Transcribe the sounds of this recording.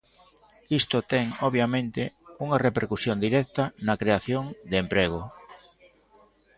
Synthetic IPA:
ist̪ʊt̪ɛŋoβjamẽnt̪ɪuŋarepeɾkusjond̪iɾɛk̚t̪anɐkɾeaθjoŋd̪eempɾeɣo

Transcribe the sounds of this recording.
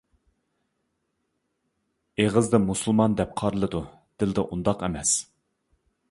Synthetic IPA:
eʁəzd̪ɨmusulˠmɑnd̪ɛp̚qʰɑɾɨlˠɨd̪u | d̪̥ɪld̪ɛʔund̪ɑqɛmɛs

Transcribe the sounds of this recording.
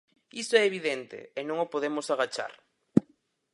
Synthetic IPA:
isoɛeβiðent̪ḛːnõŋopoðemosaɣ̞at͡ʃa̰ɾ

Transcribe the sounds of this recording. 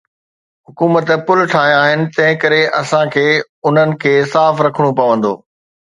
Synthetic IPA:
ɦʊkuːmət̪pʊlʈʰaːɦj̃aːɦɪnɪ̆t̪ɐ̃ɦɪ̃kɐɾeʔɐsãkʰeː | ʊn̤ənɪ̆kʰeːsaːfɾɐkʰəɽ̃upɐʋə̃n̆d̪o̰ː

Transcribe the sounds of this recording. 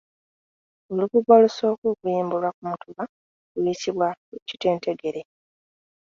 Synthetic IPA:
oluβuɡoluso̞ːkuːkujiːmbulwakumutuβa | ujitiβwaeci̥te̞ːnte̞ɡe̞ɾe̞

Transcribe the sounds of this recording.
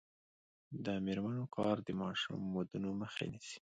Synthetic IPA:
d̪əmeɾmanokɑɾd̪əmɑʃṵmːod̪unoməxḛnisi̥

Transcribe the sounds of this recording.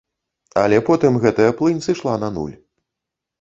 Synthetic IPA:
ɐ̰lʲɛpɔt̪ɨmɣɛt̪ɐjɐplˠɨnʲsɨʂlˠanɐnṵlʲ

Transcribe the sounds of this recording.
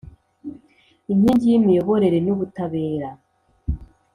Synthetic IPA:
imɲiɲɟijimijoβo̞ɾe̞ɾe̞nuβutaβe̞ːɾa

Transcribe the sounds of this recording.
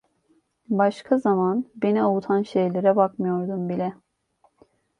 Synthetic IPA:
baʃkʰazamanbe̞niout̪ʰanʃe̞jlʲeɾɛbakmɯjo̞ɾd̪umbilʲɛ

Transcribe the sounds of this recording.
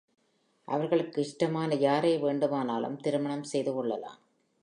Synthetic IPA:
ʔɐ̰ʋɐɾɣɐɭɯkːɯɪʂʈɐmaːnɐjaːɾeːʋeːɳɖɯmaːnaːlɯ̰mt̪ɪɾɯmɐɳɐmsɛjðɯkɔɭːɐla̰ːm

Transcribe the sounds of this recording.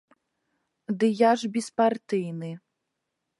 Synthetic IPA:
d̪ɨjaʐbʲispart̪ɨjnɨ

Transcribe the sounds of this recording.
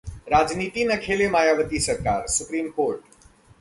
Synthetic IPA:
ɾaːd͡ʒniːt̪inɐkʰeːlemaːjaːʋət̪isɐɾkaːɾsʊpɾiːmkoːɾʈ

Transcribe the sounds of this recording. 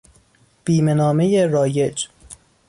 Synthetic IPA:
b̥iːme̞nɒːme̞jeɾɒːje̞d͡ʒ

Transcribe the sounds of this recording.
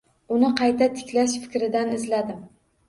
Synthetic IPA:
ʊnɪqʰɑjt̪ʰat̪ʰɪ̥kʲlaʃfɪ̥kʲɾɪd̪anɪzlad̪ɪm

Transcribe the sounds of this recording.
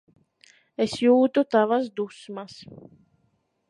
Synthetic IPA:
esjuːt̪ut̪avasd̪usmas

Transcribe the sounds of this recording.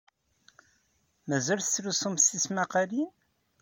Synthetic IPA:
mæzælθə̥t͡sːɾusumsismæqaɾin

